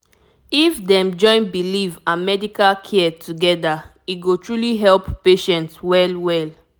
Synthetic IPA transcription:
ifdɛ̃md͡ʒɔ̃ɪ̃nbilivãnmɛdikalkʰɛtuɡɛda | iɡotɹuliɦɛlpːeʃɛ̃ntswɛlwɛl

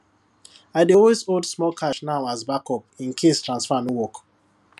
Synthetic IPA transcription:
aɪdeɔwezodsmɔkʰaʃnaʊazbakɔpĩnkʰestɹãnsfãnwɔk

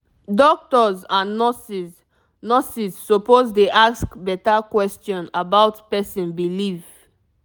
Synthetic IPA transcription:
dɔk̚tɔzanɔsiz | nɔsisːopozdeʔaskbɛtakwɛstɔ̃nabaʊtpɛsĩnbiliv

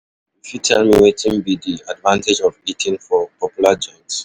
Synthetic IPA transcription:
ifutʰɛlˠmiwetĩnbidiadvãnted͡ʒɔvitʰĩnfɔpʰɔpjulad͡ʒɔ̃ɪks

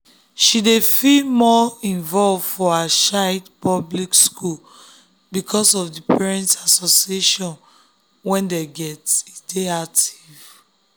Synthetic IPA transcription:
ʃidefilmɔĩnvɔlvfɔaʃaɪdpɔblikskul | bikʰɔsɔvdipʰɛɹɛ̃ntsasɔsieʃɔ̃n | wɛ̃ndeɡɛtsideak̚tiv̥

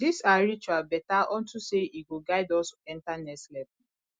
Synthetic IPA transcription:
disaɾit͡ʃwabɛtaʔɔn̩tuseiɡoɡaɪdɔlsoɛ̃ntanɛslɛpu

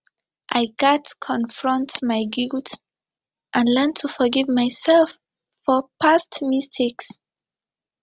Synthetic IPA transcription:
ʔajɡatkʰɔ̃nfɹɔ̃ntmaɪɡilt | ʔãnlɛntʰːufɔɡivmajsɛlfː | ɔpastmistʰiks

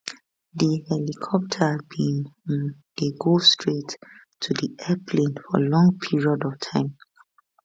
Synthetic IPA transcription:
ðihɛlikʰɔp̚tʰəbĩnɛ̃ndeɡostʰɹetʰː | udiɛpʰlẽnfɔ̰lɔ̃ŋpʰiɹiɔdɔv̥tʰãɪ̃m

